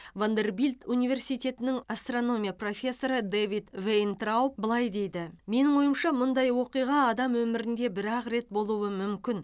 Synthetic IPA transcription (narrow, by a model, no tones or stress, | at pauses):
vond̪e̞rbilʲt̪unijvʲe̞rsijt̪e̞t̪ɪnɪŋast̪ro̞no̞mʲijapro̞fʲe̞sːo̞ɾəd̪evit̪vejnt̪rawp̚bəlˠɑjd̪e̞jd̪ɪme̞nɪŋwo̞jəmʃɑmʊnd̪ɑjwo̞qijʁɑːd̪ɑmwɵmɪɾɪnd̪e̞bɪɾɑqɾe̞t̪̚bo̞lˠuwəmʏmkʲɪn